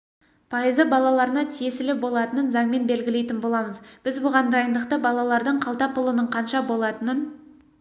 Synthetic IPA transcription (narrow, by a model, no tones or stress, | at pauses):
pʰɑjəzəbɑlˠɑlˠɑɾənɑt̪ʰije̞sɪlɪbo̞lˠɑt̪ənənzɑɴme̞nbe̞lɡʲɪle̞jt̪ɪnbo̞lˠɑməzb̥ɪzbʊʁɑnd̪ɑjənd̪əqt̪əbɑlˠɑlˠɑɾd̪əɴqʰɑlˠt̪ɑpʰʊlˠənəɴqʰɑnʃɑbo̞lˠɑt̪ənən